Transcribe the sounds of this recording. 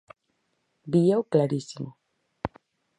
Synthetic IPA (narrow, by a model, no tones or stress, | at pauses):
biawklaɾisimo